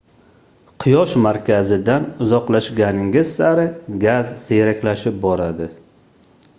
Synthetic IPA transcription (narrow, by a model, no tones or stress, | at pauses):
qʰɨjɒʃmaɾkʲʰazɪd̪anʊzɒqlaʃɡʲanɪŋɡʲɪzsaɾɪɡʲazsejɾakʲlaʃɪp̚bɒɾad̪ɪ